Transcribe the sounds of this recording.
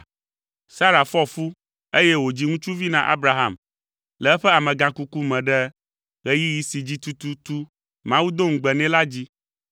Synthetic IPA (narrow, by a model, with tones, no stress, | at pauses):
sa˦ɾa˨fɔ˦fu˦ | e˦je˦wo˨d͡ʑi˦ŋũ˦t͡ʃu˦vi˦nã˦ʔa̰˦bɾa˨ɦã̰˨m | lɛ˨ɛ˦ɸɛ˦a˨mɛ̃˨ɡã˨ku˦ku˦mɛ̃˨ɖɛ˦ | ɣɛ˦ji˦ji˨si˨d͡ʑi˦t̪u˨t̪u˨t̪u˦ | mã˦wu˦d̪o˦ŋ̩˨ɡ͡bɛ˨nɛ̃˦la˦d͡ʑi˦